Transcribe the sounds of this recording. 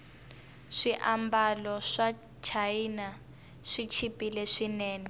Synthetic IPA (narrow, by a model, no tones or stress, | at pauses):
ʂiʔambalɔʂa | t͡ʃʰaina | ʂit͡ʃʰipilɛʂinɛːni